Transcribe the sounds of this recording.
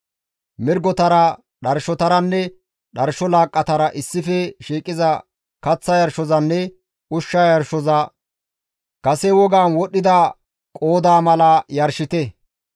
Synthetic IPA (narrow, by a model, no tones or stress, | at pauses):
mɪɾɡɔt̪ɐɾɐ | ɗɐɾʃɔt̪ɐɾɐnːɛ | ɗɐɾʃɔlaːkʼːɐt̪ɐɾɐʔɪsːɪfɛʃiːkʼɪzɐ | kɐt͡sːɐjɐɾʃɔzɐnːɛ | ʔʊʃːajɐɾʃɔzɐ | kɐsɛwɔɡaːnwɔɗːɪd̪ɐ | kʼo̞ːd̪aːmɐlɐjɐɾʃɪt̪ɛ